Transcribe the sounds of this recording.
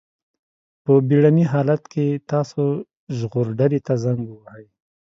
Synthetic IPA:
pəbiɽaniɦɑlat̪kʰet̪ɑso | ʒɣoɾɖaɾet̪azaŋɡwahaj

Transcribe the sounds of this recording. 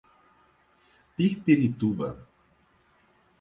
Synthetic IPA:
pihpiɾit̪uba̰

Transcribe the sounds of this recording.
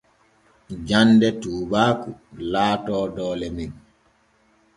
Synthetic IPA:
d͡ʒandɛtuːbaːkulaːtɔːdɔːlɛmin

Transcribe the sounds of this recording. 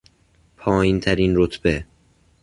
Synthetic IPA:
pʰɒːjint̪ʰæɾiːnɾot̪ʰb̥e

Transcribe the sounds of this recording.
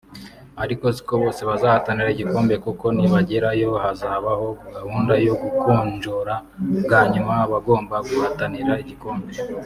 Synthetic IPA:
aɾiko̞ziko̞βo̞ːse̞βazahataniɾaiɟiko̞ːmbe̞kuko̞niβaɟeɾajo̞βahazahaβaho̞ɡahuːndajo̞ɡukuːɲd͡ʒoɾaɡaːɲumaβaɡo̞ːmbaɡuhataniɾaiɟiko̞ːmbe̞

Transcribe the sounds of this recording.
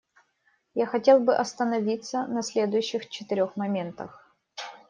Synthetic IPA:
jaxɐtʲelˠbɨʔɐst̪ənɐvʲit̪sənɐsʲlʲe̞d̪ʊjʉɕːɪxt͡ɕɪ̥t̪ɨɾʲoxmɐmʲe̞nt̪əx

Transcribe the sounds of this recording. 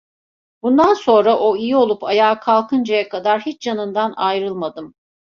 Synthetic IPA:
bund̪anso̞nɾaʔo̞ijio̞lˠupʰajaːkʰalˠkʰɯnd͡ʒajakʰad̪aɾhit͡ʃjanɯnd̪anajɾɯlˠmad̪ɯm

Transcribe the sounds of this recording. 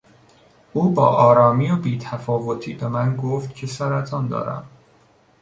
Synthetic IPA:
ʔuːbɒ̰ːʔɒːɾɒːmiːobiːt̪ʰæfɒːvot̪ʰiːbe̞mænɡoft̪cʰe̞sæɾæt̪ʰɒːnd̪ɒ̰ːɾæ̰m

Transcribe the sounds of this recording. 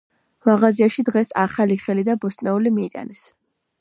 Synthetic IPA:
maʁaziaʃid̪ʁɛsaχaliχɛlid̪abɔst̪ʼnɛulimiːt̪ʼa̰nɛs

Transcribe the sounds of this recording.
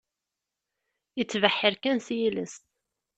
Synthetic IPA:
ət͡sːvəħːəɾkænsjiləst̪

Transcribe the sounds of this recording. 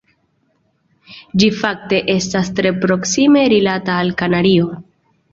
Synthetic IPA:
d͡ʒifak̚te̞ʔe̞stastɾe̞pɾo̞ksime̞ɾilataːlkanaɾio̞

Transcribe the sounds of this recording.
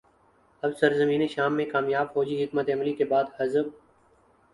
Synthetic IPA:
ɐbsəɾzəmĩːneʃaːmːẽkaːmjaːbfɔːd͡ʒiɦɪkmət̪eɐmlikebaːd̪həzəb̚

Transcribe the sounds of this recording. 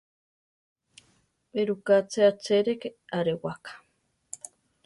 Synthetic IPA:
eɾukat͡seat͡seɾekeaɾewakḁ

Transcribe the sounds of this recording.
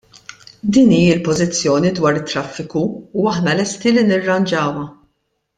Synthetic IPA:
d̪iːniːɪlpɔzɪt͡sːjɔːnid̪wɐːɾɪt̪ːɾɐfːɪkuːɐħnɐlɛst̪ilinɪrːɐnd͡ʒɐːwɐ

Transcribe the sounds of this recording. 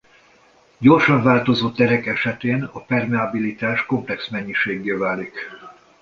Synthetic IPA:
ɟo̞rʃɒɱvaːlt̪o̞zoːt̪ːɛɾɛkɛʃɛt̪eːnɒpɛrmɛabilit̪aːʃko̞mplɛksmɛɲːiʃeːɡːeːvaːlik

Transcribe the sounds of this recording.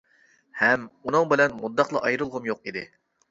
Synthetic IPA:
hɛmunɨŋbɪlɛnmud̪ːɑqlˠɑʔɑjɾɨlˠʁʊmjoqid̪ɪ

